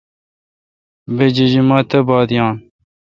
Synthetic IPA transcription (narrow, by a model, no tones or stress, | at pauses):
bed͡ʑid͡ʑimɐt̪ɐbɑːd̪ijɑːn